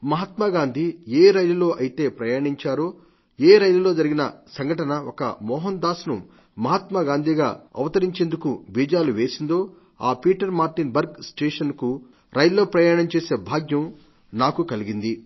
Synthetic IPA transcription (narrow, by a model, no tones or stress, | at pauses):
mɐɦɐt̪maɡaːnd̪ʱieːɾɐjlulo̞ːʔɐjit̪e̞ːpɾɐjaːɳiɲt͡ʃaːɾoː | eːɾɐjlulo̞ːd͡ʒɐɾiɡinɐ̰sɐŋɡʱɐʈɐnɐɔkɐ̰mɔːɦɐnd̪aːsunṵ | mɐɦɐt̪mɐɡaːnd̪ʱiɡaːɐ̰ʋɐt̪ɐɾiɲt͡ʃeːnd̪ukubiːd͡ʒaːluʋe̞ːsind̪o̞ː | aːpiːʈɐɾmaːɾʈinbɐɾɡsʈeːʂɐnku | ɾɐjllːo̞ːpɾɐjaːɳɐmt͡ʃeːse̞ːbʱaːɡjɐm | naːkukɐliɡind̪i